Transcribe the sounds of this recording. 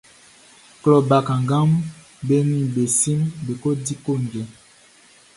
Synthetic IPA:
klɔ˨ba˨ka˨ŋɡa˦m | be˦ni˦be˨si˦mbe˨ko˦di˦ko˦˨ŋɡɛ˨

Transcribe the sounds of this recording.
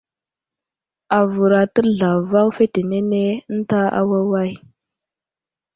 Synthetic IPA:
a˨vu˨ɾa˨tə˦ɮa˨va˦wfe˦te˨ne˦ne˦n̩˦ta˦a̰˦wa˦wa˦˨j

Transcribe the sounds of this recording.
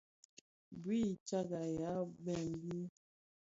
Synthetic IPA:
bi˦˨t͡ʃa˦ɡa˨ja˨˦bɛ˦˨mbi˦

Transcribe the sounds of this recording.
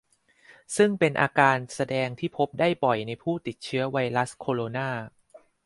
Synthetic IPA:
sɯ˥˩ŋpe˧nʔa̰ː˧kaː˧nsa˧dɛː˧ŋt̪ʰiː˥˩pʰo˦˥p̚daː˥˩jpɔ˨˩jna˧jpʰuː˥˩t̪i˨˩t̪̚t͡ɕʰɯ˦˥ɐwa˧jɾa˦˥skʰoː˧ɾoː˧naː˥˩

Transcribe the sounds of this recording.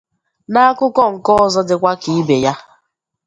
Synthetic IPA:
na˦kʊ˦kɔ˦ŋ̩˨kɔ˦ɔ˨zɔ˦dɪ˨kʷa˦ki˨˦be˨ja˦

